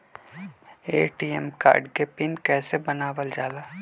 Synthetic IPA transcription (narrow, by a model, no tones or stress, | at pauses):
ḛːʈiːɛmka̰ːɾɖkepɪnkɛːsebənaːʋəld͡ʒaːlaː